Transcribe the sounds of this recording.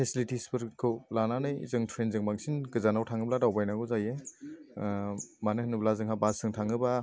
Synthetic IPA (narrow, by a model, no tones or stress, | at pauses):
pʰesilitisbɯɾkʰɯwlananɯjzɯŋtʰɾenzɯŋmaŋsinɡɯzanawtʰaŋɯbladawbajnaɡɔzaje | manɯhɯnɯblazɯŋhabasɯŋtʰaŋɯba